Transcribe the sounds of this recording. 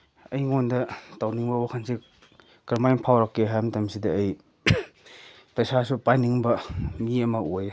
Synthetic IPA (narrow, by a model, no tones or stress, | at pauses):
ɐjŋondɐtawniŋbɐwakʰansi | kɾmajnpʰawɾɐkːeɦjamtɐmsidɐːj | pɐjsasupajniŋbɐmiɐmɐoj